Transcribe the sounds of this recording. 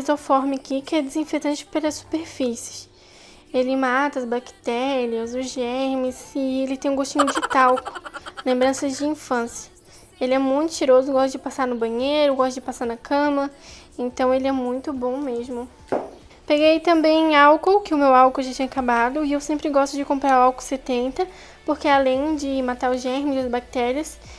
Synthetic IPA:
izofɔɾmɪakikɪɛd̪ɪzĩfet̪ɐ̃t͡ʃɪ̥pelɐsu̥peɾfisɪ̥s | elɪmat̪ɐzbaki̥t̪ɛɾiɐzʊzʒɛmɪsɪelɪt̪ẽj̃ũɡoʃt͡ʃĩɲʊd͡ʒɪt̪awkʊlẽmbɾɐ̃sɐd͡ʒɪĩfɐ̃sjiɐ | elɪɛmũj̃t̪ʊ̥t͡ʃiɾozʊɡɔʃt̪ʊd͡ʒɪpasanʊbɐ̃ɲejɾʊɡɔst̪ʊd͡ʒɪpasaɾnɐkʰɐ̃mɐ | ẽnt̪ɐ̃w̃elɪɛmũj̃t̪ʊbõw̃mezmʊ | peɡejjt̪ɐ̃mbẽj̃ẽawkowkɪʊmewawkolʒat͡ʃĩɲɐkabad̪ʊɪewsẽmpɾɪɡɔst̪ʊd͡ʒɪkõmpɾaɾʊawkowset̪ẽnt̪ɐ | poɾkealẽj̃d͡ʒɪmat̪aɾʊʒɛhmɪzɐzbak̚t̪ɛɾiɐs

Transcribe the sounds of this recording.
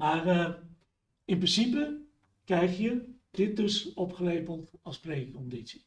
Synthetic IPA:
maːrə | ɪnprənsipə | krɛjχjəd̥ɪt̚dɵsɔpχərejpəlˠtɑlˠsprejəkɔnditsi̥

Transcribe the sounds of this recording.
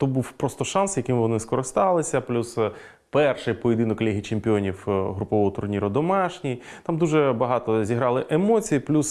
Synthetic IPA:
t̪ɔbuwpɾɔst̪ɔʃɑnsjɐkʲimʋɔnɪskɔɾɪst̪ɑlˠɪsʲɐplʲus | pɛrʃɪjpɔjɪd̪ɪnʊkɔlʲɛɦʲit͡ʃemʲpʲɪonʲiwɦɾʊpɔʋɔɔt̪ʊrnʲiɾʊd̪ɔmɑʃnʲijt̪ɑmd̪uʒɛbɐɦɑt̪ɔzʲiɦɾɑlˠɪʔemɔt͡sʲijiplʲus

